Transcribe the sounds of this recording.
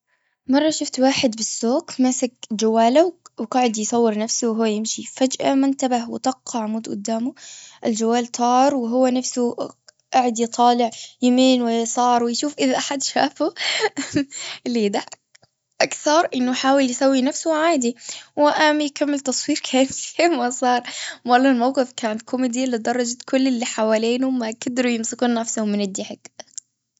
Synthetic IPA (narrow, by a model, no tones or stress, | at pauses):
mɑrˤːɑʃʊft̪waːħɪd̪bɪsːoːkmasak̚d͡ʒawːaːlawwqɑʕɪd̪jsˤɑwːɪɾnafsʊwɦʊwːajɪmʃifad͡ʒʔamʊnt̪abahwɪ̰t̪ˤɑqːɑʕmuːd̪ʔʊ̰d̪ːaːmʊʔɪld͡ʒawːaːlt̪ʰˤɑːɾˤwɪɦʊwːanafsʊ | ʔaʕɪd̪jt̪ˤʰɑːlɪʕjɪmiːnwɪjsˤɑːɾˤwɪjʃuːfʔɪðaʔaħad̪ʃaːfʊ | liːd̪a | ʔakθɑɾˤʔɪnːʊħaːwɪljɪsawːinafsʊʕaːd̪iwɪʔamjɪkamːɪlt̪ɑsˤwiːɾkʰaːmsmasˤɑːɾˤmalːalmawqɪfkaːnt̪kʰʊmid̪ilːid̪ɑrˤːɑd͡ʒat̪kʰʊlːɪlːiħawaːleːnʊmaɡad̪ɾujɪmsɪkuːnːafsʊhʊmːɪnɪd̪ːɪħɪɡ